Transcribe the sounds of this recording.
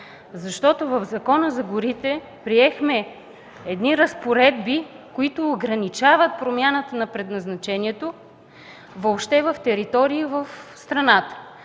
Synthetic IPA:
zɐʃt̪ɔt̪ovɐvzɐkɔnəzɐɡʊɾit̪ɛ | pɾiɛxmɛ | ɛd̪niɾɐspoɾɛd̪bi | koit̪oːɡɾɐnit͡ʃavət̪̚pɾomʲjanət̪ənɐpɾɛd̪nɐznɐt͡ʃɛniɛt̪o | vopʃt̪ɛvəft̪ɛɾit̪ɔɾiːvɐfst̪ɾɐnat̪ə̥

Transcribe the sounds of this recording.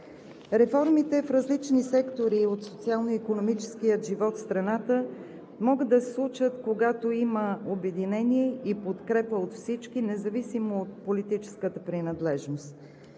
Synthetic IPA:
ɾɛfɔɾmit̪ɛfɾɐzlit͡ʃnisɛkt̪oɾiot̪sot̪sialˠnoikonomit͡ʃɛ̥skijəʒivɔt̪fst̪ɾɐnat̪ə | mɔɡəd̪ːɐsɛslˠut͡ʃət̪koɡat̪oiməobɛd̪inɛniɛipot̪kɾɛpəot̪fsit͡ʃkinɛzɐvisimoːt̪̚polit̪it͡ʃɛ̥skət̪əpɾinɐd̪lɛʒnost̪

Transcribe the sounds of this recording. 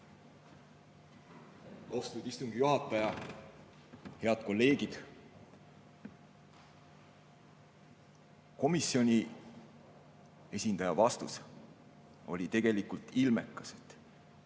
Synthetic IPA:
ɑwst̪ud̪ist̪uŋɡ̥ijuɦɑt̪ːˑɑjɑ | he̞ɑd̪̥ko̞lːe̞ːɡ̥id̪̥ | ko̞misːio̞nʲi | e̞sʲind̪ɑjɑvɑst̪us | o̞̰lʲit̪e̞ɡ̥e̞likult̪ilme̞kːˑɑ̥sed̪̥

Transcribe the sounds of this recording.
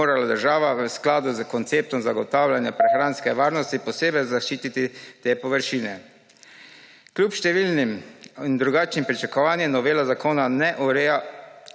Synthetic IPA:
oːɾalad̪əɾʒaːʋaʋəsklaːd̪uzkɔnt̪seːp̚t̪ɔmzaɡɔt̪awlʲjanjapɾɛxɾaːnskɛʋaːɾnɔst̪ipɔseːbɛjzaʃt͡ʃiːt̪it̪it̪eːpɔʋəɾʃiːnɛ | kljuːpʃt̪ɛʋiːlnimind̪ɾuɡaːt͡ʃnimpɾit͡ʃakɔʋaːnjɛmnɔʋeːlazakoːnanɛʔuɾɛa

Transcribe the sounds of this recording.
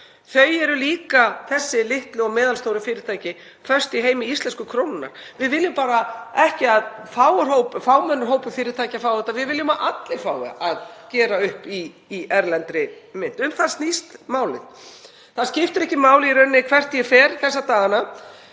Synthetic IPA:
θœɥjɛɾʏliːkaθɛsːɪlɪht̪lɪɔmɛːðalst̪owɾɪfɪːɾɪɾt̪ʰajcɪ | fœr̥st̪iɦeːjmɪist̪lɛnskʏkʰɾownɪnːa̰ɾ̥vɪðvɪljʏmpaːɾaɛhcɪaðfaːwʏɾ̥hoːwpfaːwmœnːʏɾ̥ɦoːwpʏfɪːɾɪɾt̪ʰajcafawðɛht̪ːavɪðvɪljʏmaʔat̪lefaːwɪ̰aðcɛːɾaʏhpiː | ʔɛɾlɛnt̪ɾɪmɪn̥t̪ʏmθaðst̪nist̪maːwlɪ̰θ | θaðscɪft̪ʏɾɛhcɪmaːwlɪiɾʏnːɪkʰvɛr̥t̪jɛfɛːɾθɛsːat̪aːɣana

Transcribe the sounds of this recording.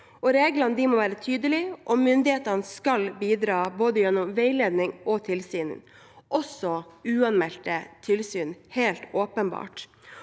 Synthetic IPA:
ɔɾeːɡlɑnəd̪ɪmɔʋæːɾət̪ʰyːd̪əlɪʔɔmʏnd̪ɪheːt̪ɑnskɑlbiːd̪ɾɑːboːd̪əjɛnːɔmʋeɪleːd̪nɪŋɔt̪ʰɪlsyːnə̰n | ʔɔsɔʉːɑnmɛlt̪ət̪ʰɪlsyːnheɪlt̪oːpənbɑ̰ːʈ

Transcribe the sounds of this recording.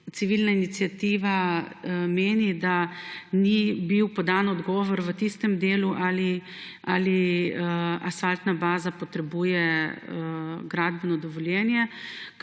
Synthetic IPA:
t̪siʋilnainit̪sijat̪iːʋa | meːnid̪anibiwpɔd̪anɔd̪ɡɔːʋɔɾʋət̪ist̪ɛmd̪eːluʔali | ali | asfalt̪nabaːzapɔt̪ɾɛbuːjɛ | ɡɾaːd̪bɛnɔd̪ɔʋɔljɛnjɛ

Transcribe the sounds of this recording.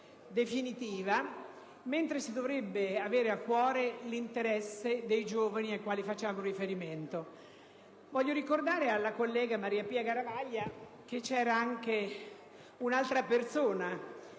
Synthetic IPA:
d̪efinit̪iːva | ment̪ɾesid̪ovɾebːeaveːɾeakːwɔːɾelint̪eɾɛsːed̪ejd͡ʒoːvaniajkwaːlifat͡ʃːaːmourifeɾiment̪o | vɔʎːoɾikord̪aːɾealːakolːɛːɡamaɾiːapiːaɡaɾavaʎːa | k̟et͡ʃːɛːɾaaŋke | unalt̪ɾapersoːna

